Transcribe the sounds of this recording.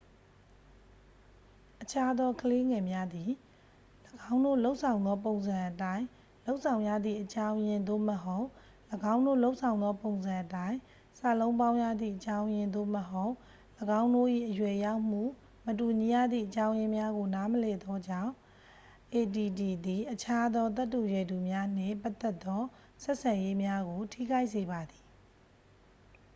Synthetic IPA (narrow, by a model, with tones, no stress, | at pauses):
ʔət͡ɕʰa˦d̪ɔ˦kʰəle˦ŋɛ˨mja˦d̪i˨ | ləɡã˦ʊ̃ndo̰˦˨lo˦ʊʔsʰã˨ʊ̃nd̪ɔ˦põ˨ʊ̃nzã˨ʔətã˦ɪ̃ | lo˦ʊʔsʰã˨ʊ̃ja̰˦˨d̪ðḭ˦˨ʔət͡ɕã˦ʊ̃jɪ̃˦nd̪o̰˦˨məɦo˦ʊʔ | ləɡã˦ʊ̃ndo̰˦˨lo˦ʊʔsʰã˨ʊ̃nd̪ɔ˦põ˨ʊ̃nzã˨ʔətã˦ɪ̃ | sa̰˨lõ˦ʊ̃pã˦ʊ̃ja̰˦˨d̪ðḭ˦˨ʔət͡ɕã˦ʊ̃jɪ̃˨nd̪o̰˦˨məɦo˦ʊʔ | ləɡã˦ʊ̃ndo˦˨ʔḭ˦˨ʔəjwɛ˨ja˦ʊm̥ṵ˦˨ | mət̬u˨ɲi˨jä̰˦˨d̪ðḭ˦˨ʔət͡ɕã˦ʊ̃jɪ̃˦mja˦ɡo˨na˦məlɛ˨d̪ɔ˦d͡ʑã˦˨ʊ̃ | ʔe˨ti˨di˨d̪i˨ʔət͡ɕʰa˦d̪ɔ˦t̪̬ɛ˦tːu˨jwɛ˨du˨mja˦n̥ɪ̰̃˦˨pa˦t̪ːɛ˦t̪ːɔ˦ | sɛ˦ʔsʰã˨je˦mja˦ɡo˨tʰḭ˦˨ɡa˦ɪʔs̬e˨ba˨d̪i˨